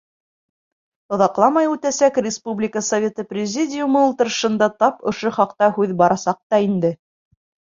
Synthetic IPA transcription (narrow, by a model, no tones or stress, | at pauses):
ŏðɑqlˠɑmɑjʉt̪æsækrʲɪspublʲɪkəsɐvʲe̞t̪ɤprʲɪzʲidʲɪjumɤulˠt̪ɤ̆ɾ̆ʃɤ̆nd̪ɑt̪ɑpŏʃoχɑqt̪ɑhʉðbɑɾɑsɑq̚t̪ɑind̪ɘ